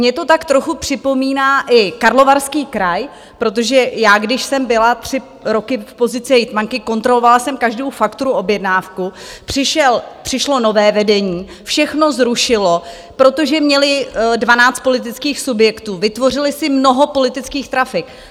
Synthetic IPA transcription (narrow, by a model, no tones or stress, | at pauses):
mɲɛt̪o̞t̪akt̪ɾoxupr̥ɪpo̞miːnaːʔɪkaɾlo̞vaɾskiːkɾaj | pɾo̞t̪̬oʒɛjaːɡdɪʃsɛmbɪlat̪r̝̥ɪ | ɾo̞kɪfpo̞zɪt͡sɛjɪt̪maŋkɪko̞nt̪ɾo̞lo̞valasɛmkaʒdo̞wfakt̪oɾuʔo̞bjɛdnaːfkupr̝̥ɪʃɛlpr̝̥ɪʃlo̞no̞vɛːvɛdɛɲiː | fʃɛxno̞zɾuʃɪlo̞ | pɾo̞t̪o̞ʒɛmɲɛlɪdvanaːt͡st̪po̞lɪt̪̬ɪt͡skiːxsubjɛkt̪uːvɪt̪vo̞r̝ɪlɪsɪmno̞ɦo̞po̞lɪt̪ɪt͡skiːxt̪ɾafɪk